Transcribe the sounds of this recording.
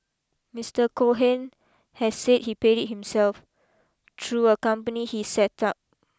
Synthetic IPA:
mistəkʰoɦɛ̃n | hɛsset̚hipeɾit̚hĩmsɛlf | tʰɹuəkãmpənihisɛtap̚

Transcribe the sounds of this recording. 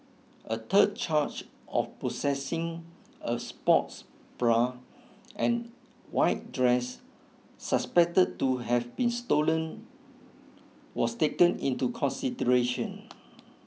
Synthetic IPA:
ʔət̪ʰəd̚t͡ʃat͡ʃ | ʔɔfposɛsĩŋ | əspɔts | b̥ɹa | ʔɛ̃n | waɪt̚dɹɛsː | əspɛk̚təd̚tuɦɛvbĩnstolə̃n | wɔstekə̃nĩntukʰɔ̃nsidəɹeʃə̃n

